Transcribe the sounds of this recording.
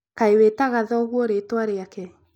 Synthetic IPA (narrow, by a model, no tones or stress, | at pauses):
kaewetaɣaðɔɣwɔɾeːtwaɾeakɛ